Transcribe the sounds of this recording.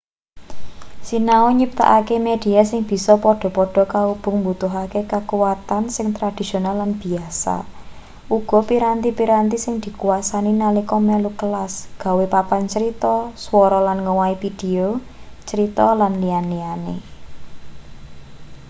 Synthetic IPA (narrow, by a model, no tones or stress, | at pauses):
sinaoɲip̚t̪a̰ʔakemed̪̥i̤asɪŋb̥i̤sɔpɔɖ̥ɔ̤pɔɖ̥ɔ̤kaub̥ʊ̤ŋmbut̪ʊɦakekakuwat̪ansɪŋt̪ɾad̪̥i̤sionalːanb̥i̤asa̰ | ʔuɡ̥ɔ̤piɾant̪ipiɾant̪isɪŋd̪̥i̤kuasaninalikɔmɛlukəlasɡ̥a̤wepapant͡ʃəɾit̪ɔswɔɾɔlanŋəwaifid̥eo | t͡ʃəɾit̪ɔlanlianlianḛ